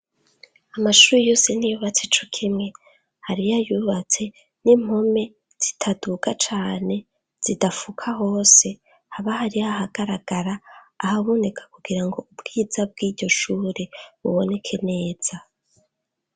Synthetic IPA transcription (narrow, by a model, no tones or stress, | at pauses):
amaʃuːɾejo̞ːse̞nijuβat͡set͡ʃokʰimŋe̞ | haɾijajuβat͡se̞ | nim̥ho̞me̞ | z̥itʰadukat͡ʃaːne̞ | z̥idafukʰaɦo̞ːse̞ | haβahaɾiaɦaɡ̥aɾaɡ̥aɾaːhaβone̞kʰḁkuɡiɾaŋɡo̞ubɡ̥iːzab̚ɡiːɟo̞ʃuːɾeβṵβone̞kʰe̞ne̞ːz̥a